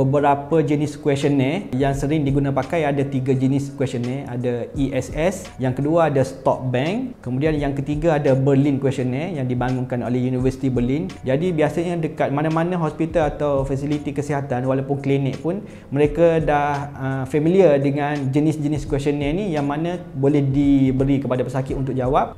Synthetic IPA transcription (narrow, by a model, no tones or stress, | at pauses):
bəbəɾapəd͡ʒənɪskwɛst͡ʃənɛjaŋsəɾɪŋdiɡunãpakajadat̪iɡad͡ʒənɪskwɛsənɛadaiʔɛsɛs | jaŋkəduaːdast̪ɔ̰k̚bɛŋkkəmũdianjaŋkət̪iɡaːdabərlinkwɛstonɛjaŋdibaŋuŋkano̰lɛhjunivərsi̥t̪ibərlind͡ʒadibiasaɲadəkat̪̚mãnãmanãɦɔspit̪alat̪awfasilit̪ikəsiɦat̪anwalawpʊnklinɛʔpʊn | mə̃ɾekadahəfɛmiliədəŋãnd͡ʒənɪsd͡ʒəniskwɛstɔnɛnijaŋmanãbolɛhdibəɾikəpadapəsakɪt̪unt̪ʊk̚d͡ʒawap̚